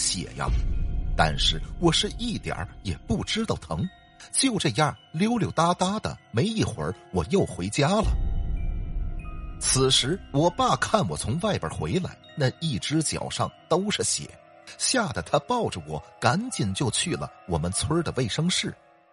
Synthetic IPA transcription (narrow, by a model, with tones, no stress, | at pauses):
ɕjɛ̰˨˩ja̰˧t̪a̰˥˧nʂɻ̩˥˩wɔ˨˩ʂɻ̩˥˧i˥˩t̪jə̰˨˩˥jɛ˨˩pu˥˩ʈ͡ʂɻ̩˥t̪ɑ˥˩ʊt̪ʰɤ˧˥ŋ | t͡ɕjo˥˧ʊʈ͡ʂɤ˥˩ja˥˧˩ljo˥ʊljo˧˩ʊt̪a˥t̪a˥d̪ə̰˨me˧˥ɪi˥˩xwə̰˞˧˥wɔ˨˩jo˥˩ʊxwe˧˥ɪt͡ɕja˥lə̰˩ | t͡s̩ʰ˨˩ʂɻ̩˧˥wɔ˨˩pa˥˩kʰa˥˩nwɔ˨˩t͡sʰʊ˧˥ŋwa˥˩ɪpjə̰˞˨˩xwḛ˧˥ɪla̰˧˥ɪna˥˧i˥˩ʈ͡ʂɻ̩˥t͡ɕjɑ̰˨˩ʊʂɑ˥˩ŋt̪o˥ʊʂ̩˥˩ɕjɛ̰˨˩˦ | ɕja˥˩d̪ə˩t̪ʰa˥pɑ˥˩ʊʈ͡ʂə˩wɔ˨˩˦ka˧˥nt͡ɕi˨˩nt͡ɕjo˥˧ʊt͡ɕʰy˥˩lə̰˩wɔ˨˩mə˦nt͡sʰwə˥d̪ə˨we˥˩ɪʂɤ˥ŋʂɻ̩˥˩